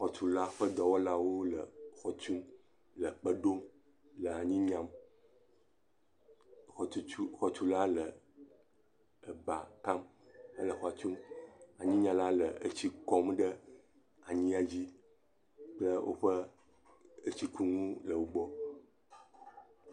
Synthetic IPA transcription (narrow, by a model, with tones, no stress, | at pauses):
xɔ˨t͡ʃu˨˦la˦ɸə˦d̪ɔ˨wɔ˦la˦wo˦lə̰˨xɔ˨t͡ʃu˦m | lə˨k͡pə˦ɖo˦m | lə˨a˨ɲĩ˦ɲã˨m | xu˦u˦xɔ˨t͡ʃu˦la˦lə˨ | ə˨ba̰˨ka˦m | ə̰˦lə˨xɔ˦a˨t͡ʃu˦ma˨ɲĩ˦ɲã˨la˦lə̰˨ə̰˦t͡ɕi˦kɔ˦mɖə˦ | a˨ɲĩ˦a˨d͡ʑi˦ | k͡plə˦wʔo̰˦ɸə˦ | ə˦t͡ɕi˦ku˦ŋũ˦lə˨wo˦ɡ͡bɔ˦